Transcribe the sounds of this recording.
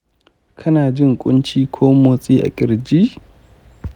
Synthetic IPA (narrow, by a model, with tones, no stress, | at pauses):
kʰɐ˦naː˨d͡ʒɪ˦ŋkʷʼʊ˦nt͡ʃiː˦kʷʰoː˦moː˨sʼiː˦ʔa̰˨kʲʼɪ˨ɾd͡ʒiː˦